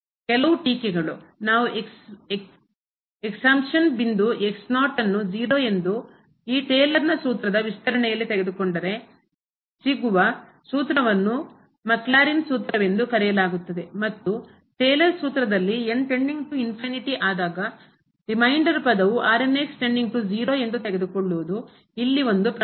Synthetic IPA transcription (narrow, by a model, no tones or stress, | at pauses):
kɛlɐʋuʈiːkɛɡɐɭunaːʋuʔeksek | eksaːmpʂɐnbind̪uʔeksnaːʈɐnːud͡ʒiːɾoːe̞nd̪u | iːʈeːlɐɾnɐsuːt̪ɾɐd̪ɐʋist̪ɐɾɐɳɛjɐlːit̪eɡe̞d̪ukoɳɖɐɾe̞ | siɡuʋɐ | suːt̪ɾɐʋɐnːu | mɐklaːɾinsuːt̪ɾɐʋe̞nd̪ukɐɾɛjɐlaːɡut̪ːɐd̪e̞mɐt̪ːu | ʈeːlɐɾsuːt̪ɾɐd̪ɐlːieɳʈe̞ɳɖiŋɡʈuinpʰiniʈiʔaːd̪aːɡɐ | ɾimɐjɳɖɐɾpɐd̪ɐʋuʔaːɾenːeːksʈe̞ɳɖiŋɡ̚ʈud͡ʒiːɾoːe̞nd̪ut̪eɡed̪ukoɭːuʋud̪u | ilːio̞nd̪upɾɐ